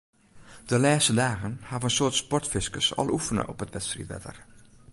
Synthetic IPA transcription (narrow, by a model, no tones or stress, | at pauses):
d̥əlaːstədaːɣənhaːvənənsoːtspɔɹtfɪskəsɑ̰lˠufənə̰ʔɔpɦətʋɛtstrḭtʋɛ̰də̰r